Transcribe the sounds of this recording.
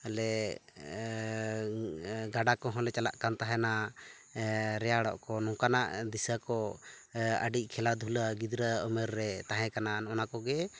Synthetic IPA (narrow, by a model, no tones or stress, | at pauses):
ɛlɛ | ɡaɖakɔɦɔ̃lɛt͡ʃala̰ʔkant̪aɦɛna | ɾɛjaɽɔ̰ʔkɔnɔŋkanaʔd̪isakɔ | ə̰ɖic̚ˀkʰɛlad̪ʱulaɡid̪ɾaɔmɛɾːɛt̪aɦɛ̃kanaɔnakɔɡɛ